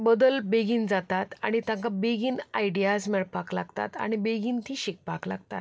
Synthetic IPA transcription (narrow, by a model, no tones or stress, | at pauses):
bəd̪əlbeɡiːnd͡zat̪at̪a̰ɽ̃it̪ãŋkabeɡiːnaiɖijad͡zmeɭpaklaɡt̪a̰t̪a̰ɽ̃ibeɡiːnt̪ʰiːɕik̚pakla̰ɡt̪a̰t̪̚